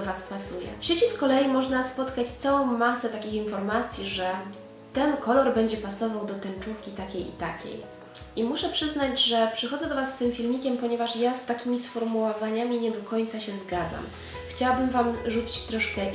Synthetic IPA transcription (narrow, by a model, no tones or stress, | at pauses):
ɔvaspasujɛ̰fɕet͡ɕiskɔlɛjimɔʐnaspɔt̪kat͡ɕt̪sawɔ̃w̃masɛt̪akʲixinfɔɾmat̪sʲjiʐɛ | t̪ɛnkɔlɔɾbɛɲd͡ʑɛpasɔvawd̪ɔt̪ɛnt͡ʂufkʲit̪akʲejḭt̪akʲḛj | ʔimuʂɛpʂɘzn̪ad͡ʑʐɛpʂɘxɔd̪zɛd̪ɔvasːt̪ɘmfʲilmʲikʲɛmpɔɲɛvaʂjast̪akʲimʲisfɔɾmuwɔvaɲamʲiɲɛd̪ɔkɔɲt̪saɕɛzɡad̪za̰m | xt͡ɕawabɘmvamʐut͡ɕi̥t͡ɕt̪ɾɔʂkɛ